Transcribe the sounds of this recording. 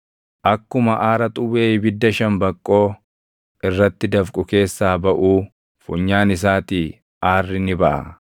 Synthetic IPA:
ʔɐkːʊmɐʔaːɾɐt̪ʼʊbeːbɪd̪ːɐʃɐnbɐkʼːo̞ː | ʔɪrːɐt̪ːɪd̪ɐfkʼʊke̞ːsːaːbɐʔuː | fʊɲːaːnɪsaːt̪iː | ʔaːrːɪnɪbɐʔɐ̰

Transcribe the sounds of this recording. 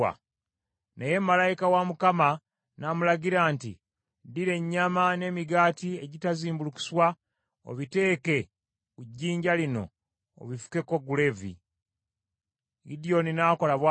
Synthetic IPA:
a̰ | neje̞mːalajikawamukama | namulaɟiɾaːntḭ | diɾe̞ɲːamane̞miɡaːtie̞ɟitaziːmbuluku̥swa | o̰βite̞ːke̞ | kuɟːiːɲɟalino̞̰ː | βifu̥ke̞ko̞ɡule̞vḭ | ɡḭdio̞ninaːko̞laβwa

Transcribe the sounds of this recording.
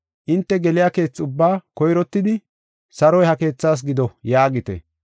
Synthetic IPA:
ʔɪnt̪ːɛɡɛlɪjake̞ːt͡sːʊbːaːkɔjɾɔt̪ːɪd̪ɪ | sɐɾɔjhɐke̞ːt͡sːaːs̬ɡɪd̪ɔjaːɡɪt̪ɛ̰

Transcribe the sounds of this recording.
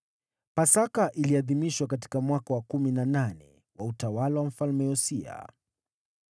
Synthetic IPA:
pasakaʔiliaðimiʃwakati̥kamwakawakuminananɛ | wautawalawam̩falmɛjɔsia̰

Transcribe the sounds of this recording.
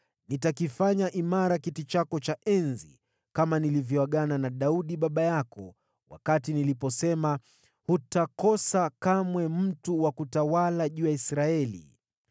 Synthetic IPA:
nitakifaɲaʔimaɾakitit͡ʃakɔt͡ʃaʔɛnzḭ | kamanilivjɔaɠananaɗauɗiɓaɓajakɔ̰ | wa̰katinilipɔsɛma | hutakɔsakamwɛm̩tuwakutawalaʄuːjaisɾaɛlḭ

